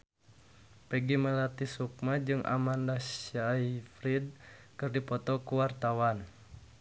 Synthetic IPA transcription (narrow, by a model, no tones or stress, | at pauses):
pɛɡiməlat̪isuk̚mad͡ʒɨŋʔa̰mandasaifɾid̪̚kɨrdipɔt̪ɔkuwart̪awan